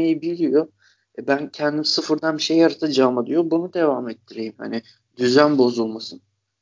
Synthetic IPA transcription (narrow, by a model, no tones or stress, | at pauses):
ejibilʲijo | ɛbæncʰɛnd̪imisɯfɯɾd̪anbiʃe̞jaɾat̪ʰad͡ʒaːmad̪ijo̞bunud̪e̞vaːmɛt̪ʰːiɾejimha̰nɪ | d̪̥yzænbo̞zulˠmasɯn